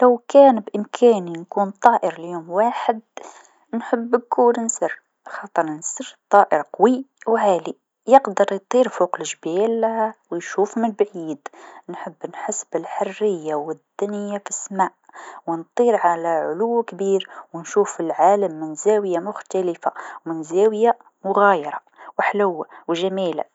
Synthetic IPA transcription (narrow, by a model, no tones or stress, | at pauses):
lawkæːnbʔɪmkʰaːninkuːnt̪ˤɑːʔɪɾljoːmwaːħɪd̪̚ | nħʊbːkuːɾnsɪɾ | xɑːt̪ˤɨɾnsɪɾt̪ˤːɑːʔəɾqwiwʕaːli | jɪqd̪ɑɾˤjt̪ˤiːɾfoːqlɪʒbaːlwjʃuːfmɪnbʕiːd̪nħəbːnħəsːbɪlħarːɪjːawɪd̪ːʊnəjːafisːmaːʔwnt̪ˤiːɾʕalaʕʊlʊwːkbiːɾwnʃuːfilʕaːləmːɪnzæːwjamʊxt̪alɪfa̰wmɪnzæwja | mʊɣajɑɾˤɑ | wħlʊwːawʒæmiːla̰